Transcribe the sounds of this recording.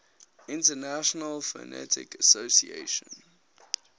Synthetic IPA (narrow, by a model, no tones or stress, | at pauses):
ɪ̃ntənaʃənəlfə̰nɛ̰tʰɪ̰kəsoʊsiḛɪʃə̰̃n